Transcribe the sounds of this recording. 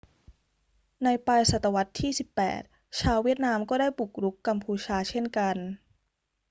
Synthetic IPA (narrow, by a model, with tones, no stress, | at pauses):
na˧jpaː˧jsa˨˩t̪ːa˧wa˦˥t̪ʰːiː˥˩si˨˩pːɛ̰ː˨˩t̪̚ | t͡ɕʰaː˧wːi˥˩ət̪̚naː˧mkɔː˥˩daː˥˩jbu˨˩k̚ɾu˦˥kːa˧mpʰuː˧t͡ɕʰaː˧t͡ɕʰe˥˩nka˧n